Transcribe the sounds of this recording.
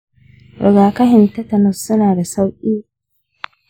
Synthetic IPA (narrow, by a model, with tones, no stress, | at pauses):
ɾʔɔ̰˨ɡaː˨kɐ˦ɦɪ˨ntɐ˦tɐ˨nʊ˨sːʊ˦naː˨da˨sa˦wʔʲʼiː˦